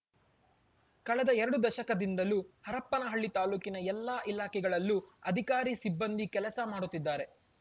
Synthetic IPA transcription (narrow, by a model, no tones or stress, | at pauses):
kɐɭɛd̪ɐɛɾɐɽud̪ɐʃɐkɐd̪ind̪ɐluhɐɾɐpːɐnɐɦɐɭːit̪aːluːkinɐɛlːaːʔilaːkʰɛɡɐɭɐlːuɐd̪ʱikaːɾisibːɐnd̪ikɛlɐsɐmaːɽut̪ːid̪ːaːɾe̞